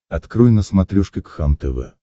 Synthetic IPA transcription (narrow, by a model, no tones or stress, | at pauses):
ɐt̪kɾɨjnəsmat̪ɾʲuʂkʲɪkxamt̪ɛvɛ̰